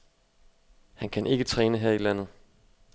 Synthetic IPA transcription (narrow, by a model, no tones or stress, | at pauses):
hænkʰænʔe̝ɡ̥ət͡sʰʁɛːnəɦeɐ̰ilæn̰ð̞̩ˠ